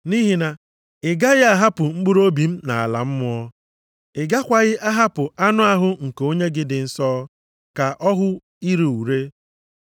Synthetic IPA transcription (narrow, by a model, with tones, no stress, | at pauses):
ni˦ɦi˨na˨ | ɪ˨ɡa˦ɣa˨ɦa˦pʊ˨ŋ͡m̩˦ɡ͡bu˦ɾo˦bi˨m̩˦na˨a̰˨la̰˨m̩˦mʊ˦ɔ˦ | ɪ˨ɡa˦kʷa˨ɣɪ˦ʔa˦ɦa˦pʊ˨a˦nʊ˦a˦ɦʊ˦ŋ̩˨ke˨o˦ɲe˦ɡɪ˦dɪ˨n̩˨sɔː˦ | ka˨ʔɔ˦ɦʊ˦ | i˦ɾe˨u˨ɾe˦